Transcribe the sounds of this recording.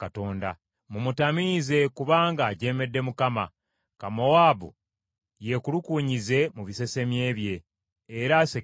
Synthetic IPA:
kato̞ːnda̰ | mumutamize̞kuβaːŋɡaːɟe̞ːme̞dːe̞mukama̰ | kamo̞waːbṵ | je̞kulukuːɲize̞muβise̞se̞mje̞ːβje̞ː | ɾase

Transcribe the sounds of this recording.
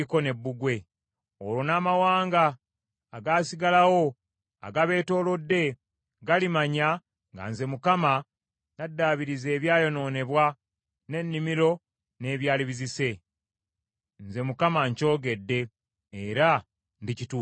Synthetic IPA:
iko̞ne̞bːuɡwe̞ | olonaːmawaːŋɡaː | ɡaːsiɡalawo̞ | a̰ɡaβe̞ːto̞ːlo̞dːe̞ | ɡalimaɲa | ŋɡa̰nze̞mukama | nadːaːβiɾize̞ːβjaːjo̞no̞ːne̞βwa | ne̞nːimiɾo̞ | ne̞ːβjaːliβizise̞ | nze̞mukamaɲco̞ːɡe̞dːe̞ː | ɾa | ndicitu

